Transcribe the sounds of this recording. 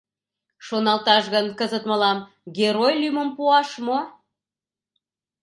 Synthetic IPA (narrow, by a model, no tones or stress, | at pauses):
ʃonɑlt̪ɑʃɣənkəzət̪məlɑm | ɡʲeɾojlyməmpuɑʃmo